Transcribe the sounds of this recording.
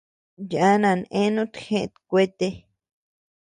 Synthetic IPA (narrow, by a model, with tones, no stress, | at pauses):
ja˦nã˧nʔẽ˦nũ˦t̪xẽ˧t̪kʷe˦t̪e˧